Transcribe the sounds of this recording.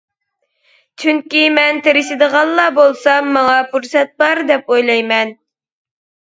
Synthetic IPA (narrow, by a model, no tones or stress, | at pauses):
t͡ʃʰyŋkʲimɛnt̪ʰeɾɪʃɪd̪əʁɑlˠːɑbolˠsɑːɑŋɑpuɾsɛt̪̚bɑɾd̪ɛpojlˠɑjmɛn